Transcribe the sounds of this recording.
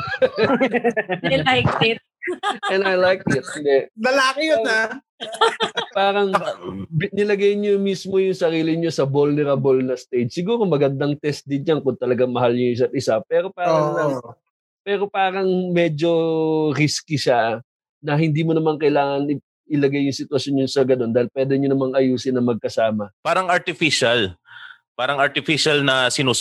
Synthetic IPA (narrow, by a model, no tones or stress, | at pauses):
ɐjajkɪt̪̚ɛnajlajk̚ɪt̪̚hɪnd̪ɛʔnɐlaːkɪjoa | paːɾɐŋbnɪlɐɡajɲomismo̞jʊŋsɐɾiːlɪɲo̞sɐbolnɛɾɐbolnɐst̪ejd͡ʒsɪɡuːɾomɐɡɐnd̪aŋt̪ɛst̪̚d̪ɪnɲaŋkʊnt̪ɐlɐɡaŋmɐɦaljʊŋʔɪs̬at̪̚ɪsapɛːɾo̞paːɾɐŋlɐŋ | pɛːɾo̞paːɾɐŋmɛd͡ʒo̞ɾiskiʃa | nɐɦɪnd̪iːmonɐmaŋkɐɪlaːŋɐnɪ | ʔɪlɐɡajːʊŋsɪt̪wɐsjo̞njʊŋsɐɡɐno̞nd̪aːhɪlpwɛːd̪ɛɲonɐmaŋɐjuːsɪnːɐmɐɡ̚kɐsaːmɐpaːɾɐŋɐɾt̪ɪfiʃal | paːɾɐŋɐɾt̪ɪfiʃɐlnɐsɪnuː